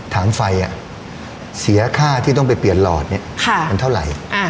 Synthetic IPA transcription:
t̪ʰaː˩˦mfa˧jʔa˨˩ | si˩˦ɐkʰaː˥˩t̪ʰiː˥˩t̪ɔ˥˩ŋpa˧jpli˨˩ənlɔ̰ː˨˩t̪̚ni˥˩ɐkʰa˥˩ma˧nt̪ʰa˥˩wɾa̰˨˩jʔa˧˩

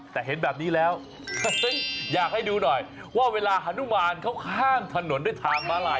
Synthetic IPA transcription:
t̪ɛː˨˩ɦe˩˦nbɛː˨˩p̚niː˦˥lɛː˦˥w | jaː˨˩k̚ha˥˩jduː˧nɔ˨˩j | waː˥˩weː˧laː˧ʔa˧˥nu˦˥maː˧nkʰa˦˥wkʰaː˥˩ŋt̪ʰa˧no˨˩˦nda˥˩jt̪ʰaː˧ŋmaː˦˥la˧

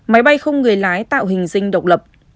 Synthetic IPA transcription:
ma˨˦jɓa˧jxə˧wŋ͡mŋɨ˨˩əjlaː˨˦jt̪a̰ː˧˨wɦï˨˩ŋ̟zï˧ŋ̟ɗə˨˩wk͡p̚lə˨˩p̚

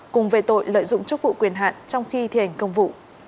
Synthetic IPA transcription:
kʊ˨˩ŋ͡mve˨˩t̪o̰˧˨jlə̰ː˧˨jzʊ̰˧˨ŋ͡mt͡ɕɨ˦˥k̚vṵ˧˨kwi˨˩ənɦa̰ː˧˨nt͡ɕɔ˧wŋ͡mxi˧t̪ʰḭ˧˨˩ha˨˩jŋ̟kə˧wŋ͡mvṵ˧˨

